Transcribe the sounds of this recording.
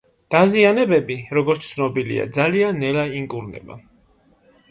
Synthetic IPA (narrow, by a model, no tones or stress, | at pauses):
d̪̥azianɛbɛbiɾɔɡɔɾt̪st̪sʰnɔbilḭa̰d̪zalianːɛlaiŋkʼuɾnɛ̰ba̰